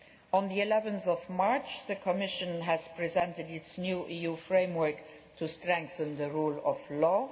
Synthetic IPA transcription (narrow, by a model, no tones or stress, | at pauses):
ə̃nðiilɛvə̃nθɔvmɑɹt͡ʃðəkʰɔmɪʃə̃nɦæz̥pʰɹizɛ̃ntədɪtsnjuːʔijufɹẽɪmwɜ˞k | tʰustɹɛ̃ŋkθə̃nðəɹuːlɔvlɔː